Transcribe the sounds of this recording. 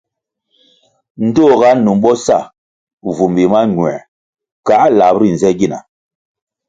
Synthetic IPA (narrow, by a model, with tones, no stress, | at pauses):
n̩˦do˦˨ɣa˦nu˨mɓɔ˦sa˦˨ | vu˨mbi˨ma˦ɲ˨ɛ̰˨ | ka˨˦la˨bɾi˦˨n˨zɛ˦ɡi˦na̰˨